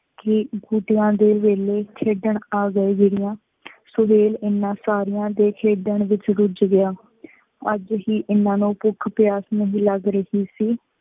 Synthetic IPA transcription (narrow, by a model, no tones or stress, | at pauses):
kɪɡuːʈɪjãːd̪eːʋeːleːkʰeːɖəɳaːɡəiːɡɪɾɪjãː | sʊbeːlɪnːãːsaːɾɪjãːd̪eːkʰeːɖəɳʋɪt͡ʃɾʊd͡ʒɡɪaː | əd͡ʒɦiːʔɪnãːnũːpʊkʰpɪjaːsnəɦĩːləɡɾəhiːsiː